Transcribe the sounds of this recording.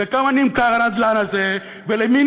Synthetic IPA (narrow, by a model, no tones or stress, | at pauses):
ekamanimkaʁanad̪lanaze | velemin